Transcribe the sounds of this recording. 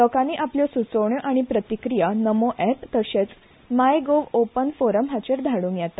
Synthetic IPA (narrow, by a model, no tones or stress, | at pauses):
ləkãniːʔapljɔsut͡səʋɳjɔʔaɽ̃ipɾət̪ikɾijanəmoʔɛpt̪əɕet͡s | majɡoʋopənfoɾəmɦat͡ɕeɾd̪ʱaɽũːŋkjat̪a